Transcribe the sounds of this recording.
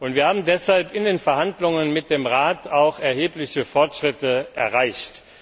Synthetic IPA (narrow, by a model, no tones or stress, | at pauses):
ʔʊntv̥iːɐhaːbm̩dɛshalpɪndeːnfɛɐɦandlʊŋənmɪt̚d̥eːmʁaːtʰaʊxɛɐheːplɪçəfɔɐtʃʁ̥ɪtəʔɛ̰ɐʁaɪçt